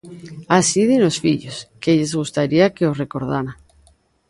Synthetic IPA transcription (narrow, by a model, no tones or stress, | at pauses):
asiðinosfiʎoskeʎezɣust̪aɾiakeosrekoɾð̞aɾa